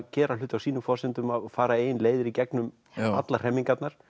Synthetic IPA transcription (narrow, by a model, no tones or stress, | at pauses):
cɛːɾalʏːt̪awsiːnʏfɔsɪnt̪ʏmaðfaːɾaeːjɪnleːjðɪɾicɛknʏm | at̪lar̥ɛmːiŋkat̪naɾ̥